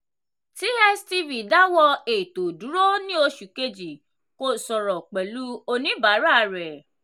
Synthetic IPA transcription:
ti˨˦ɛ˦sti˧vi˨da˦wɔ˧e˨to˨du˨˦ɾo˦nĩ˦o˧ʃu˨ke˧d͡ʒi˨ | ko˦˨sɔ˨ɾɔ˨k͡pɛ˨lu˦o˧nĩ˨˦ba˨˦ɾa˦˧ɾɛ˨

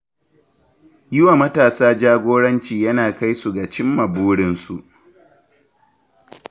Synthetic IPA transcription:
jɪ˦wa˨mɐ˦taː˨saː˦d͡ʒaː˦ɡʷoː˦ɽɐ˦nt͡ʃiː˨jɐ˦naː˨ka˦jsu˨ɡa˨t͡ʃɪ˦mːɐ˨buː˦ɽɪ˦nsu˨ʔ

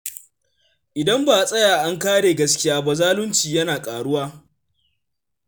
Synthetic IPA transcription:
ʔɪ˨dɐ˦mbaː˨sʼɐ˦jaː˨ʔa˦ŋkaː˦ɽeː˨ɡɐ˦skʲɪ˦jaː˦ba˨zaː˦lʊ˦nt͡ʃiː˨jɐ˦naː˨kʼaː˨ɽʊ˦waː˦

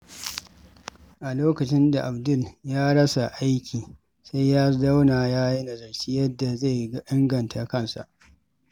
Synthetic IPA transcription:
ʔa˨loː˦kɐ˨t͡ʃɪ˦nda˨ʔa˨bdʊ˦˨ljaː˦ɽɐ˦sa˨ʔa˦jkʲʰiː˨ | sa˦jːaː˦da˦wnaː˨jaː˦ji˦na˨zɐ˨ɽt͡ʃiː˦jɐ˦dːa˨za˦˨jɡʔɪ˦ŋɡɐ˨ntʰa˨kɐ˦nsa̰˨ʔ

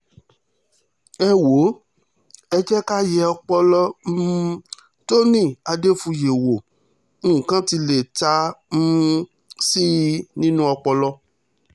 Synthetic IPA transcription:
ɛ˦wo˨˦ | ɛ˧d͡ʒɛ˦ka˦jɛ˧ɔ˧k͡pɔ˧lɔ˦m̩˦ | to˦nĩ˦˨a˧de˦fũ˧je˨wõ˨˦˨ | kã˦ti˧le˨ta˧˦m̩˦ | si˦nĩ˦nũ˦ɔ˧k͡pɔ˧lɔ˦

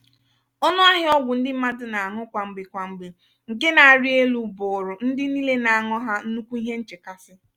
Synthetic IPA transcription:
ɔ˦nʊ˦a˦ɦɪ˦ɔ˦ɡʷʊ˨n̩˦dɪ˦m̩˦ma˦dʊ˨na˨a˨ŋʊ˦kʷa˨ŋ͡m̩˨ɡ͡be˨kʷa˨ŋ͡m̩˨ɡ͡be˨ | ŋ̩˨ɡɪ˦na˨a˨ɾi˦e˦lu˨bʊ˨ɾʊ˨n̩˦dɪ˦ni˦le˦na˨a˨ŋɔ˦ɦa˦n̩˦nu˦kʷu˦i˦ɦe˦n̩˦t͡ʃɪ˨ka˦sɪ˦

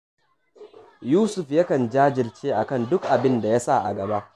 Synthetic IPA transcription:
juː˦sʊ˨ɸja˦kɐ˨nd͡ʒaː˦d͡ʒɪ˨lt͡ʃeː˦ʔa˨kɐ˦˨ndʊ˦kʔa˨bɪ˦nda˨ja˦sa˦˨ʔa̰˨ɡɐ˨ba˦ʔ

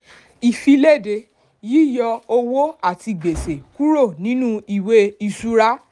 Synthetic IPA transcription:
i˨fi˧le˦˨de˧ | ji˦˨jɔ˧o˧wo˦a˦˨ti˧ɡ͡be˨se˨ku˦ɾo˦˨nĩ˨˦nũ˦i˦˨we˧i˧˨su˧ɾa˦

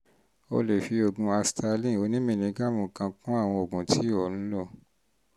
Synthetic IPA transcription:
o̰˧le˨fi˧o˨ɡũ˧a˧sta˧lĩ˦˨o˧˦nĩ˦mĩ˦˨nĩ˧˦ɡa˦˨mũ˨kã˧kũ˦a˦˨w̃ɔ̃˧o˨ɡũ˨tʰi˨˦ɔ˨ñ̩˦lɔ˦˨

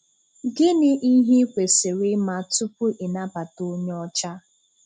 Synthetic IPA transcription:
ɡɪ˦nɪ˦ʔi˦ɦi˦kʷe˨sɪ˨ɾɪ˦ma˦tʊ˦pʊ˦ʔɪ˨na˦pa˨to˦ɲ˦ɔ˦t͡ʃa˦

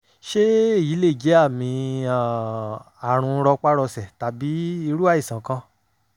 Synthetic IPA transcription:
ʃe˦˨ji˨˦le˦˨d͡ʒe˨˦a˦˨mĩ˧a˨ | a˨ɾ̃ũ˧ɾɔ˧k͡pa˦ɾɔ˧sɛ˨ta˨bi˨˦i˧ɾu˦a˦˨i˨sã˨kã˧

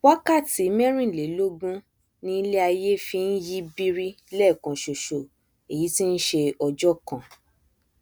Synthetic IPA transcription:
wa˦ka˦˨ti˨˦mɛ̃˦ɾ̃ĩ˦˨le˨˦lo˦ɡũ˦ | nĩ˧˦le˦a˧je˦fi˧n̩˦ji˦bi˧ɾi˦ | lɛ˦˨kã˨ʃo˨ʃo˨ | e˨ji˨˦ti˦n̩˦ʃe˧ɔ˧d͡ʒɔ˦kã˨

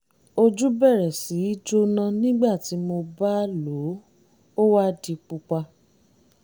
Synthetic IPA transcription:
o˧d͡ʒu˦bɛ˦˨ɾɛ˨si˨˦i˦d͡ʒo˦nã˧nĩ˦ɡ͡ba˦˨ti˨˦mo˧ba˦lo˨˦ | o˦wa˦di˧k͡pu˧k͡pa˧

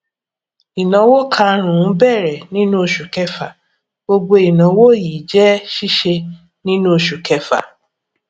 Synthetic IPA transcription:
i˨nã˨˦wo˦kʰã˧˦ɾ̃ũ˨˦bɛ˦˨ɾɛ˨nĩ˦nũ˦o˨ʃu˨kɛ˧fa˨ | ɡo˧ɡ͡bo˧i˨nã˨˦wo˦˨ji˨d͡ʒɛ˦ʃi˦ʃe˧ | nĩ˦nũ˦o˨ʃu˨kɛ˧fa̰˨

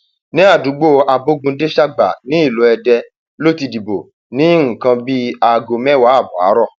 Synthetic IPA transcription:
nĩ˨˦a˦˨du˨˦ɡ͡bo˦˨a˧bo˦ɡũ˧de˦ʃa˦ɡ͡ba˨nĩ˨˦i˦˨lo˨˦ɛ˧dɛ˧ | lo˦ti˧di˨bo˨ | nĩ˦ŋ̩˨kã˧bi˦a˧ɡo˧mɛ̃˦wa˨˦a˦˨bɔ˨a̰˨˦ɾɔ˦˨

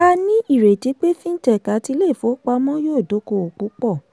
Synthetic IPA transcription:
a˧nĩ˦i˦˨ɾe˨ti˨˧˦k͡pe˦fĩ˦n̩˦tɛ˦˨ka˨˦ti˧˦le˦˨fo˨˦k͡pa˧mɔ̃˦joː˦˨do˨˦ko˧o˨k͡pu˨˦k͡pɔ˦˨

